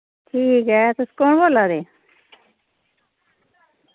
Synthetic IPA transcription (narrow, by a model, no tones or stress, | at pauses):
ʈʰiːkɦɛːt̪oskoːɳboːlad̪eː